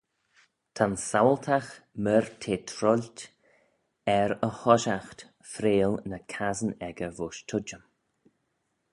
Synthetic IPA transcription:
t̪ʰansawlt̪ʰaxməɾtʰeːt̪ʰɾɔlʲt | ɛɾəhɔʃaxt̪ | fɾeːlnəkʰazənɛɡəvʊʃtʰʊd͡ʒəm

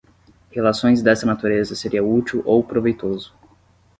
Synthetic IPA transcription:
helasõj̃zd̪ɛst̪ɐnat̪uɾezɐseɾiɐut̪iwʔowpɾovejt̪ozʊ

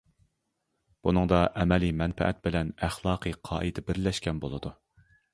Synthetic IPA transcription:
b̥unɨŋd̪ɑʔɛmɛlimɛnfɛ̰ʔɛ̰t̪̚bɪlɛnæχlˠɑːqʰɨqʰɑ̰ːʔɨd̪ɛbɪɾlɛʃkʲɛnbolˠɨd̪u

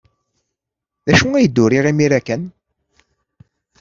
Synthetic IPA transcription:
ðæʃuŋæjəd̪ːʊɾiʁimiɾækæn

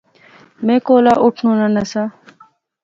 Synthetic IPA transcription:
mẽːkoːlaːʔʊʈʰnũːnanɐsaː

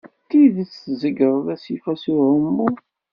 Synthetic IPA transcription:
t̪iðət͡szəɡəɾˤðæsifæsiɾəmːu

